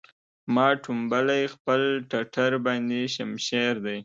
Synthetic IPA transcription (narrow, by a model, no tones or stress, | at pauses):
mɑʈumbalajxpəlʈaʈʰaɾbɑnd̪eʃamʃeɾd̪aj